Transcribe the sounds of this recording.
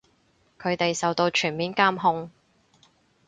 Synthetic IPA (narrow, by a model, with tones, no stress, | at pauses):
kʰɵ˨˧ɥt̪e˨jsɐ˨wt̪o˧wt͡ʃʰyː˨˩nmiː˨˥nkaː˥mɦʊ˧ŋ